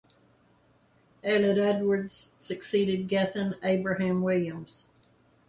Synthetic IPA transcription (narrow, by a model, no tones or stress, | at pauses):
ælˠɨɾɛdwə˞dz̥sɨksiɾɨd̚ɡɛθɨ̃neɪbɹɨhæ̃mwɪlˠjɨ̃mz̥